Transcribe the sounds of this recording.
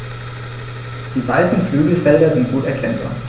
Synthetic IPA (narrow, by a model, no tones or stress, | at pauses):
d̥iːvaɪsn̩flyːɡl̩fɛldɐzɪnt̚ɡ̥uːtɛɐkʰɛnba̰ːɐ